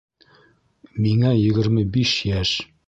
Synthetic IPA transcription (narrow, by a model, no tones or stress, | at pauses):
miŋæjɘ̆ɡɘ̆ɾmɘbiʃjæʃ